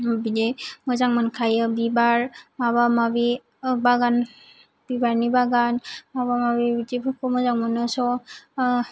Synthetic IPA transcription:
bidemɔzaŋmankʰajɯbibaɾmaβamabi | baɡan | b̥ibaɾnibaɡanmaβamabibidibʰukʰɔmɔzaŋmɔnasɔ

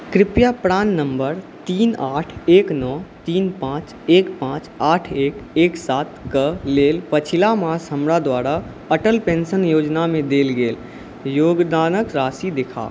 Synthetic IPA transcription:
kɾɪpjapɾaːnːə̃mbəɾt̪iːnaːʈʰeːknɔːt̪iːnpãːt͡ʃ | eːkpãːt͡ʃaːʈʰeːkeːksaːt̪kəleːlpət͡ʃʰɪlamaːsɦəmɾad̪waːɾa | əʈəlpẽːnsənjoːd͡ʒnamẽd̪eːlɡeːl | joːɡd̪aːnəkɾaːsid̪ɪkʰa̰ː

